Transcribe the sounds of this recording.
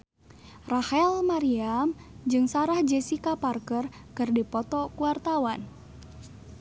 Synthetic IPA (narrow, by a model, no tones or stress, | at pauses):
rahɛlmaɾiamd͡ʒɨŋsaɾahd͡ʒɛsikaparkərkɨrdipɔt̪ɔkuwart̪awan